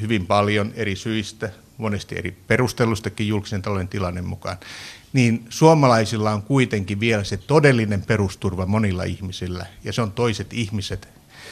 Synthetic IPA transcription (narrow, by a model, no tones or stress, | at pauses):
hyʋimpɑljonerisyist̪æ | monest̪ḭḛriperust̪elːˑust̪ɑkijjulki̥sent̪ɑlojent̪ilɑnːemmukɑ̰nniːnsuomɑlɑisilːɑoŋkuit̪eŋkiʋʋielæset̪odelːinemperust̪urʋɑmonilːɑ̰ihmisilːæ̰jɑseont̪oiset̪ihmiset̪